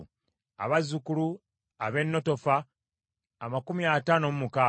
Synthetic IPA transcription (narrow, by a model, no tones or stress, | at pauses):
a̰βazukulu | aβe̞nːo̞to̞faː | makumiataːnomumuka